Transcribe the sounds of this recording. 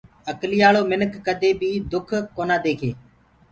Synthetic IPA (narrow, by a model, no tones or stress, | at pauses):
əkliːaːloːmɪnəkːəd̪eːbʱiːd̪ʊkʰkoːnaːd̪eːkʰḛː